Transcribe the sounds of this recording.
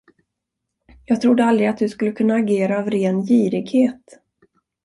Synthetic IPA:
jɑːɡ̚t̪ʰɾʊd̪ːəald̪ɾɪat̪̚d̪ɵskɵlːəkʰɵnːaːɡeːɾaːvɾeːnjiːɾɪɡheːt̪

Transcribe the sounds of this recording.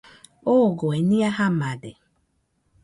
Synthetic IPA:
oɡoenĩahamãde

